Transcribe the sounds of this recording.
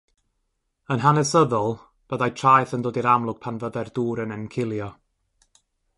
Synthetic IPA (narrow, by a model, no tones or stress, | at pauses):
ənɦanɛsəðɔlˠ | b̥əðajtʰrajθəndoːdiɾamlˠʊɡ̥̚pʰanvəðɛrduːɾənɛnkʰɪlˠjɔ